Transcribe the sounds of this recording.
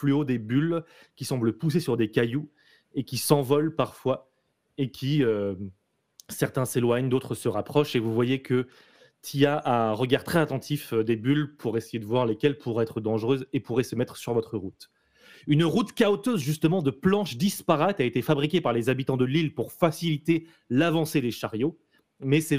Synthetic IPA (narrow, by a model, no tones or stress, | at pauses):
plyod̪ebyl | kʲisɑ̃bləpus̬esyʁd̪ekaju | ekʲisɑ̃vɔlpaʁfwa | ekʲʰiø | sɛʁt̪ɛ̃selwaɲd̪ot̪χəsəʁapχɔʃevuvwajekə | t̪ʰiaʔãɛ̃ʁəɡaʁt̪χɛzat̪ɑ̃t̪ʰifd̪ebylpʰuʁesejed̪əvwaʁlekʲɛlpʰuʁɛt̪χəd̪ɑ̃ʒʁøzepuʁɛsəmɛt̪χə̥syʁvɔt̪χəʁut̪ | ynʁut̪kaot̪øzʒyst̪əmɑ̃d̪əplɑ̃ʃd̪ispaʁat̪aet̪efabʁikʲepaʁlezabit̪ɑ̃d̪əlilpuʁfasilit̪e | lavɑ̃sed̪eʃaʁjo | mɛsɛ